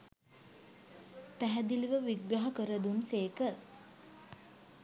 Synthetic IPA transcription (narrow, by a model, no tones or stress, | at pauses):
pæɦæd̪iliʋəʋiɡɾɐɦɐkəɾəd̪unseːkə